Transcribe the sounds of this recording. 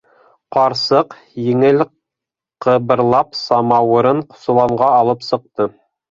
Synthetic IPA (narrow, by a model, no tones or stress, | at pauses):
qɑɾsɤq | jɘ̆ŋɘl | qɤ̆βɤ̆ɾlˠɑpsɑmɑwɤ̆ɾɤɴqŏ̥sɤ̆lˠɑɴʁɑːlˠɤpsɤ̆q̚t̪ɤ